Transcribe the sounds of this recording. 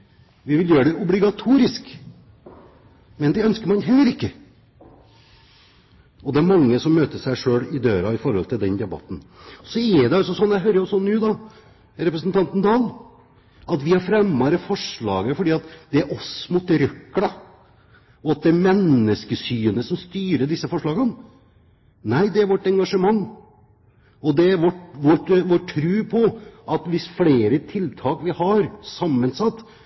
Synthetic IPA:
ʋɪʋɪljøːɾəɖ̪ɛʔʊblɪɡɑt̪ʰuːɾɪsk | mɛnd̪ɛœnskəɾmɑnɦɛlːəɾɪkːə | ɔd̪ɛæɾmɑŋːəsɔmːøːt̪əʂæɪʂøːlɪd̪øːɾɑɪfɔɾhɔlt̪ʰɪld̪ɛnd̪ɛbɑ̰t̪ːn̩ɔsɔɛd̪ɛɑlsɔsɔnːjæɪɦøːɾəjʊsɔnːʉːd̪ɑ | ɾɛpɾəsənt̪ɑnt̪nd̪ɑːl | ɑt̪ʋɪhɑɾfɾɛmːɑɾəfɔʂɭɑːɡəfɔɖiːɑt̪d̪ɛæɾʔɔsmut̪ɾœkːlɑ | ɔɑt̪̚d̪ɛæɾmɛnːəskəsyːənəsɔmst̪yːɾəɖ̪ɪsːəfɔʂɭɑːɡən | næɪd̪ɛæɾʋɔʈːɛŋɡɑʂəmɑŋː | ɔd̪ɛæɾʋɔʈʋɔʈʋɔʈʰːɾʉːpʰɔʔɑt̪ʋɪsfleːɾət̪ʰɪlt̪ʰɑːkʋɪhɑɾsɑmːənsɑt̪ː

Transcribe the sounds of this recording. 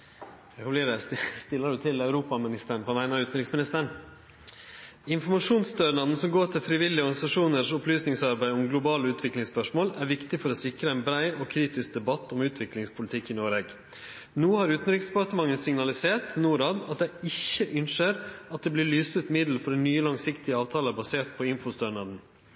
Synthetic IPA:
ɛkɑmbliːd̪ɛsst̪ɪlːəɖʉt̪ʰɪlɑʉɾuːpɑmɪnɪst̪əɳpʰɔʋæɪnɑʉːt̪n̩ɾɪksmɪnɪst̪əɳ | ɪnfɔmɑʂuːnsd̪œɾnɑd̪n̩sɔmɡoːʈʰɪlfɾɪʋɪlːɪəɔɾɡɑnɪsɑʂuːnəʂʊplyːsnɪŋsɑɾbæɪʊmɡlʊbɑːləʉːt̪ʋɪklɪŋspœʂmoːlæɾʋɪkt̪ɪfɔɾɔsɪkɾəɛnbɾæɪɔkʰɾiːt̪ɪsk̚d̪ɛbɑt̪ʰːʊmʉːt̪ʰʋɪklɪŋspʰʊlɪt̪ʰɪkːɪnoːɾeːɡ | nuːhɑɾʉːt̪n̩ɾɪksd̪ɛpɑt̪əmɑŋːənsɪŋnɑlɪseːʈnuːɾɑːd̪ɑt̪̚d̪ɛɪɪçːəʔʏnʂəɾɑt̪̚d̪ɛblɪɭyːst̪ʉt̪mɪd̪l̩fɔɾɛnːyːəlɑŋsɪkt̪ɪəɑːʋt̪ʰɑːləbɑseːʈpʰɔɪnfʊst̪œɳɑd̪n̩

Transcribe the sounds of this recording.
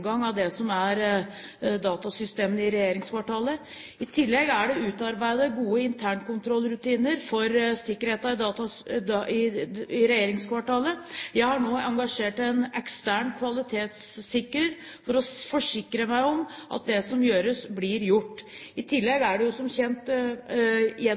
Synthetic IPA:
ɡɑŋːɑʋd̪ɛsɔmæɾ | d̪ɑːt̪ɑsʏst̪eːmənɪɾɛjeːɾɪŋskʰʋɑʈʰɑːlə | ɪt̪ʰɪlːɛɡæɖɛʉːt̪ɑɾbæɪd̪əɡuːəɪnt̪ʰæːɳkʊnt̪ʰɾɔlːɾʉt̪iːnəɾfɔɾsɪkːəɾheːt̪ɑɾt̪ɑɪɪɾɛjeːɾɪŋskʋɑʈɑːləjæɪhɑɳoːɑŋɡɑʂeːʈɛnɛkst̪æɳkʰʋɑlɪt̪ʰeːt̪sː | ɪkɾəɾ | fɔɾɔfɔʂɪkːɾəmæɪɔmʔɑ̰t̪̚d̪ɛsɔmjøːɾəsblɪɾjʊʈː | ɪt̪ʰɪlːɛɡæɖɛjʊsɔmçɛnt̪ | jɛ

